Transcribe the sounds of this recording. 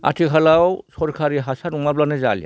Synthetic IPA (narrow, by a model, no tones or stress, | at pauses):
a̰tʰikʰalawsɔɾkʰaɾiɦasatuŋmablanaza̰lija̰